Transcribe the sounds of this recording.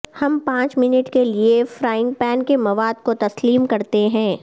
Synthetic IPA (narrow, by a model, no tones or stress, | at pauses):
hɐmpãːt͡ʃmɪnəʈkeliefɾaːɪ̃ŋ̚pɛːnkemɐʋaːd̪kot̪ɐsliːmkɐɾt̪eɦɛ̃ː